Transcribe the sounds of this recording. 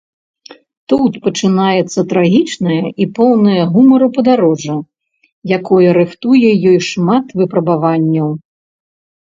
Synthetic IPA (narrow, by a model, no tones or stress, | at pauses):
t̪ut̪pɐt͡ʂɨnajɛt̪sːɐt̪ɾaɣʲit͡ʂnɐjɐʔipɔwnɐjɐɣumɐɾɨpɐd̪aɾɔʐɐ | jakɔjɐɾɨxt̪ujɛjɔjʂmat̪vɨpɾɐbavanʲːɐw